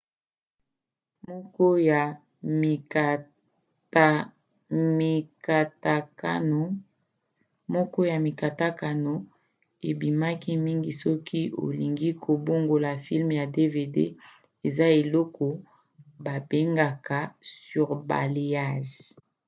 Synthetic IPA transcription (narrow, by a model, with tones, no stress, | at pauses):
m˦kɔ˦˨˦ | mi˨ka˨ta˨˦˨ | mɔ˦kɔ˦ja˨mi˨ka˨ta˦ka˨no˨ | e˨bi˨ma˦ki˦mi˦ŋɡi˨sɔ˦kʰi˦o̰˨li˨ŋɡi˦kʰo˨bo˦ŋɡo˨la˨fi˦lmja˨de˦ve˨dḛ˦ | e˨za˦e˨lɔ˦kʰɔ˨ | ba˨be˦ŋɡa˨ka˨sy˨ʁba̰˨le˨ja˦ʒ